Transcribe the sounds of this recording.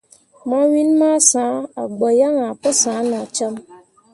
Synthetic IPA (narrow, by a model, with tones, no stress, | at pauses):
ma˦wi˦nma˦sã˨˦a˨ɡ͡bɔ˨ja˦ŋa˨pə˦sãː˨˦nɔ̃˨t͡ʃə˦m